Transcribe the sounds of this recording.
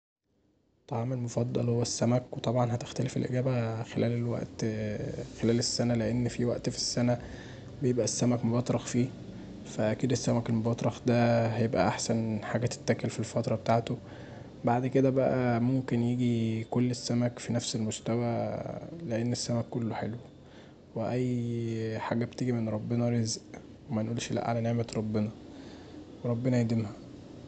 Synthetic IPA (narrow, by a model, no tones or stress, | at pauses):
t̪ˤːɑʕɑmelmofɑd̪ˤːɑlhowːæsːæmækwet̪ˤɑbʕɑnhæt̪e̥xt̪ælefḛlʔḛɡæːbæxelʔæːlelwæ̰ʔt̪ | xelæːlesːænæleʔenːfiwæʔt̪fi̥sːænæ | bejebʔæsːæmækmobɑt̪ˤɾˤɑxfiː | fæʔækiːd̪esːæmækelmobɑt̪ˤɾˤɑxd̪æhæjebʔæ̰ʔaħsænħaːɡæt̪e̥t̪ːækælfilfɑt̪ɾˤɑbet̪aːʕt̪o | baʕd̪ked̪æbæʔæmomkenjiːɡikolːesːæmækfinæfselmost̪æwæ | leʔenːesːæmækːolːoħelwe | weʔæjː | ħa̰ːɡæbet̪eɡimenɾˤɑbːenæɾezʔ | wemænʔuːlʃlæ̰ʔʕa̰læneʕmet̪ɾˤɑbːenɑ | weɾˤɑbːenæjed̪emhæ